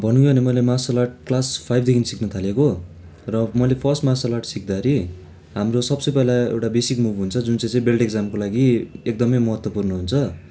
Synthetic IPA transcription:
bʱʌnuŋjnemʌlemasʌlaʈ̚klaspʰajbʱd̪ekʰinisiknʌt̪ʰaleko | rʌmʌlepʰʌrsʈmasʌlaʈsik̚d̪aɾi | ɦamrosʌbsʌpʌlaḛwʈabesikmubʱɦunt͡sʰʌd͡zunt͡sʌj̃t͡sʌ̃ĩbelʈeɡd͡zamkolaɡiek̚d̪ʌmʌjmʌɦʌt̪wʌpurnʌɦunt͡sʰʌ

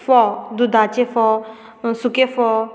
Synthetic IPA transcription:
fɔd̪ud̪at͡ʃefɔ | sukefɔ

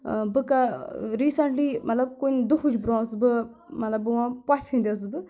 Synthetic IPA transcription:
bɨkaɾiːsɐɳʈlimɐt̪lɐb̚kunʲd̪uxʰud͡ʒbɾɔ̃ːsbɨ | mɐt̪lɐbʋãpafʲʰĩːnd̪ʲəs̬bɨ

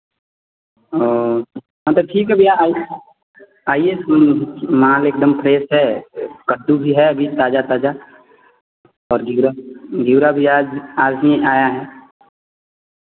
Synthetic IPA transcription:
oː | mɐt̪ləb̚ʈʰiːkɦɛbʱia | aːiesə̃nmãːleːk̚d̪əmpʰɾeːsɦɛkəd̪ubʱiɦɛɐbʱit̪aːd͡ʒat̪aːd͡ʒa | ɔːɾɡiɾaɡiwɾabʱiaːd͡ʒaːd͡ʒĩʔaːjaɦɛː

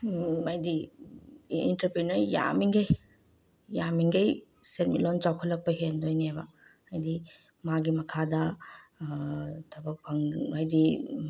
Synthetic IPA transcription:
ɐjdi | ḭntɐɾpɾinɐɾja̰miŋɡej | jamiŋɡej | set̚mḭlont͡ʃawkʰɐlːɐk̚pɐɦendojnebɐ | ɐjdi | maɡimɐkʰadɐ | tʰɐbɐk̚pʰɐŋɐjdi

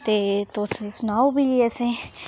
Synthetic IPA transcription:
t̪eːt̪osesʊnaːobiɛsẽː

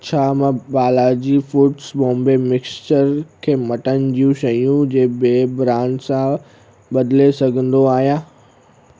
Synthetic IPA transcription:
t͡ɕʰaːmãbaːlad͡ʑiːfʊːʈsɓõːmbemɪkst͡ɕəɾkʰeːmɐʈənɪ̆d͡ʑijũʃɐjũd͡ʑeːbeːbɾãːɳʈsã | ɓɐd̪ɪlesɐɡʱə̃nd̪oaːɦijãː

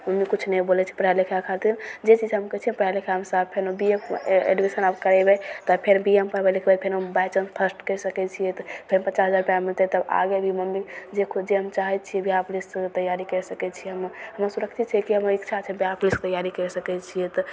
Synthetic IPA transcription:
məmikut͡ʃʰnɛbolɛt͡ʃʰi̥pɾjalekʰjakʰat̪iɾd͡ʒet͡ʃid͡ʒɦəmkət͡ʃʰipɾjaɾlekʰjamsabpʰenobiemḛɖibesənabkəɾɛbɛt̪ɔpʰeɾbiempəɾbɛlekʰbɛpʰenobajt͡ʃənp̪ʰəsʈkəɾsəkɛt͡ʃʰijɛt̪pʰenpət͡ʃasɦəd͡ʒaɾpamilt̪ɛt̪əba̰ɡebʱiməmːid͡ʒekʰd͡ʒeɦəmt͡ʃaɦɛt̪̚t͡ʃʰiɛbiaplist̪əjaɾikəɾɛsəkɛt͡ʃʰiɦəmɦəməɾsuɾəkt͡ʃʰit̪t͡ʃʰɛkiɦəmɾikt͡ʃʰat͡ʃʰɛbiaplisk̚t̪əjaɾikəɾɛsəkɛt͡ʃʰijɛt̪ɔ

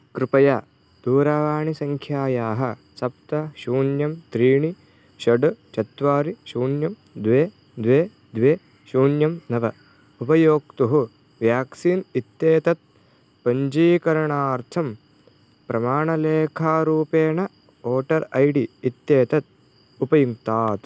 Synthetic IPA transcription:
kɾɪpɐjaː | d̪̥uːɾaːʋaːɳisɐŋkʰjaːjaːɦɐ | sɐp̚t̪ɐʃuːnjɐmt̪ɾiːɳi | ʃɐɖt͡ʃɐt̪ʋaːɾiʃuːnjɐm | d̪ʋeː | d̪ʋeː | d̪ʋeː | ʃuːnjɐmnɐʋɐ | upɐjoːk̚t̪uɦu | ʋjaːksiːnit̪jeːt̪ɐt̪̚ | pɐɲd͡ʒiːkɐɾɐɳaːɾt̪ʰɐm | pɾɐmaːɳɐleːkʰaːɾuːpeːɳɐ | oːʈɐɾɐjɖiːt̪jeːt̪ɐt̪̚ | upɐjuŋt̪aːt̪

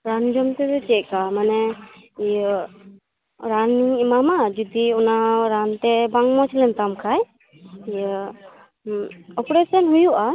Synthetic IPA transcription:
ɾand͡ʒɔmt̪ɛd̪ɔt͡ʃɛʔkamanɛjə | ɾaniŋimamad͡ʒud̪iɔnaɾant̪ɛbaŋmɔt͡ʃʰlɛnt̪amkʰaj | jə | ɔpɾesɔnɦujuʔa

